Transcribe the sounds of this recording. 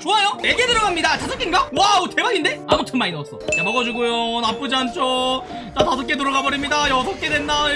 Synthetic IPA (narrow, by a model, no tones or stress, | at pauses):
t͡ɕoajojeɡedɯɾʌɡamɲidatasʰʌk͈inɡawaotʰemaɾinde̞amotʰɯnmainʌs͈ʌjamʌɡad͡ʑuɡojonap͈ɯd͡ʑant͡ɕ͈o | t͡ɕ͈atasʰʌk͈e̞toɾʌɡabʌɾimɲidajʌs̬ʰʌk͈e̞dwe̞nːa